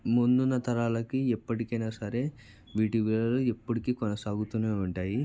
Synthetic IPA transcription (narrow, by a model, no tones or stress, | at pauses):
mund̪unːɐt̪ʰɐɾaːlɐkiɛpːɐʈikɐjnasɐɾe̞ | ʋiːʈiʋilɐluepːuʈikiːkɔnɐsaːɡut̪uːneːuɳʈaːji